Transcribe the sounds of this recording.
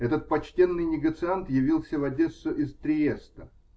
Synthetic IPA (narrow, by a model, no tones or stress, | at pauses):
ɛt̪ət̪̚pɐt͡ɕtʲe̞nːɨjnʲɪɡət̪sɨant̪jɪvʲilˠsʲəvɐdʲesəʔɪst̪ɾʲɪjest̪ə